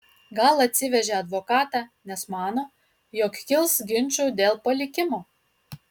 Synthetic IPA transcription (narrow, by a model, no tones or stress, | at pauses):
ɡɐlˠɐt̪ʲsʲɪʋʲɛʒʲeɐd̪ʋoːkɑːt̪ɑnʲɛsmɑːnoː | joːkkʲɪlˠsɡʲɪnʲt͡ʃʲuːd̪ʲeːlˠpɐlʲɪkʲɪmoː